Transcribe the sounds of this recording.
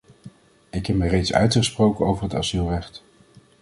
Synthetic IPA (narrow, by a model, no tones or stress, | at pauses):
ɪkɦɛp̚mərejtsœ̰ɥtχəsprowkənowvəɹɦəta̰z̥ylˠrɛχt